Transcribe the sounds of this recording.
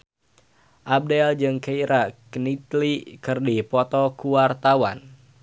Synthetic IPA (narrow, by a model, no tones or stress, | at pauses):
ʔab̚dɛld͡ʒɨŋkeiɾakənit̪likɨrdipɔt̪ɔkuwart̪awan